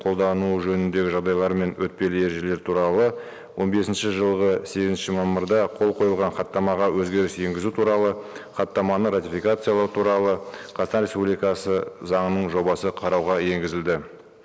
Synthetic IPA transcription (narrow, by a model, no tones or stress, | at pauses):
qʰo̞lˠd̪ɑnuʒɵnɪnd̪e̞ɡʲɪʒɑʁd̪ɑjlˠɑɾme̞nwɵt̪̚pe̞lɪe̞ɾʒe̞le̞ɾt̪ʰuɾɑlˠə | wʔo̞nbe̞sɪnʃɪʒəlˠʁəse̞ɡʲɪzɪnʃɪmɑmːəɾd̪ɑqʰo̞lˠqʰo̞jəlˠʁɑnχɑt̪ːɑmɑʁɑwɵzɡʲe̞ɾɪsje̞ŋɡʲɪzut̪ʰuɾɑlˠəχɑt̪ːɑmɑnəɾat̪ijfijkat̪sɨjalˠɑɾt̪ʰuɾɑlˠəqʰɑst̪ɑnɾʲe̞spublijkɑsəzɑɴənəɴʒo̞bɑsəqʰɑɾɑwʁɑje̞ŋɡʲɪzɪld̪ɪ